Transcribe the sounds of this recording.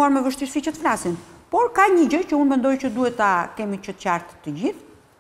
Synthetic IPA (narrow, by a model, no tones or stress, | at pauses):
uaɾmɛvəʃt̪iɾfit͡ɕɛt̪flasinpɔɾkaɲəɟəcəunmɛnd̪ɔjcəd̪uhɛt̪ːakɛmit͡ʃət̪caɾt̪t̪ːəɟiθ